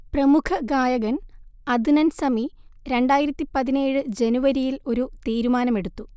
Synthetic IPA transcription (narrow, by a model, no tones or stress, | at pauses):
prɐmukʰɐɡaːjɐɣɐnɐd̪ʱunɐnsɐmiɾe̞ɳɖaːjiɾɐt̪ːipɐðine̞ːɻɨd͡ʑe̞nuʋɐɾijilo̞ɾut̪iːɾumaːnɐme̞ɽut̪ːu